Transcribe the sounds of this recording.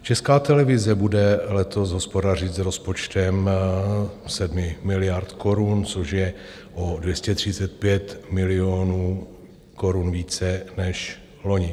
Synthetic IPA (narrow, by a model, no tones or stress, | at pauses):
t͡ʃɛskaːt̪ɛlɛvɪzɛbudɛlɛt̪o̞sɦospo̞dar̝ɪt̪zɾo̞spo̞t͡ʃt̪ɛm | sɛdmɪmɪlɪjaɾt̪ko̞ɾunt͡soʃjɛ | ʔodvjɛscɛt̪r̝̥ɪt͡sɛt̪̚pjɛt̪mɪlɪoːnuː | koɾunviːt͡sɛnɛʃ | lo̞ɲɪ